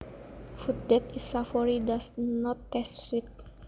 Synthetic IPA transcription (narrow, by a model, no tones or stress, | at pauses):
fut̪̚dɛt̪isafɔɹidasnɔtːɛstfit̪̚